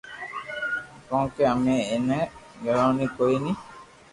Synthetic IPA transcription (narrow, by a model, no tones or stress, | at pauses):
kɔ̃ŋkɛameːnɛɡɛlawnikojni